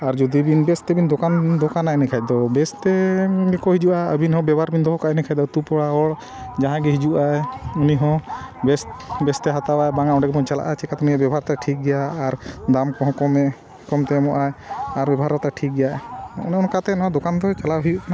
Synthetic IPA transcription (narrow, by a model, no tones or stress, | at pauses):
aɾd͡ʒud̪ibinbɛst̪ɛbind̪ɔkand̪ɔkanaɛnɛkʰac̚d̪ɔbɛst̪ɛkɔɦid͡ʒuʔaə̰binhɔ̃bɛbʱaɾbind̪ɔɦɔkaʔɛnɛkʰad̪ɔt̪upɔɽaɔɽ | d͡ʒaɦãɡɛɦid͡ʒuʔajuniɦɔ̃bɛsbɛst̪ɛɦat̪awajbaŋaɔɳɖɛk̚bɔnt͡ʃala̰ʔat͡ʃɛkat̪uniɛbɛbʱaɾt̪aʈʰik̚ɡɛjaːɾd̪amkɔɦɔ̃kɔmɛ | kɔmt̪ɛmɔʔajaɾbɛbʱaɾɔt̪aʈʰik̚ɡɛjaɛṵniɔnkat̪ɛnɔãd̪ɔkand̪ɔt͡ʃalaɦujuʔkana